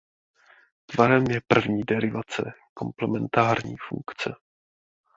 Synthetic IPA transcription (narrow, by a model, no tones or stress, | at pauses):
t̪vaɾɛmjɛpr̩vɲiːdɛɾɪvat͡sɛ̰ko̞mplɛmɛnt̪aːɾɲḭːfṵŋkt͡sɛ